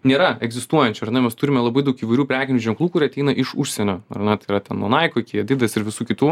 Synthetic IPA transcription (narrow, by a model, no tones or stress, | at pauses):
nʲeːɾɐɛɡzʲɪst̪uɔjɛnʲt͡ʃʲʊɐrnʲɐmʲɛst̪ʊɾʲɪmʲɛlˠɐbɐɪd̪ɐʊkiːʋɐɪɾʲuːpʲɾʲæːkʲɪnʲuːʒʲɛŋklˠuːkʊɾʲiɐt̪ʲɛɪnɐʔɪʃʊʃʲsʲɛnʲoːɐrnʲɛt̪ɐɪiɾɐt̪ʲɛnnṵɔnɐɪkokʲid̪ʲɪd̪ɐsɪɾʋʲɪsuːkʲɪt̪uː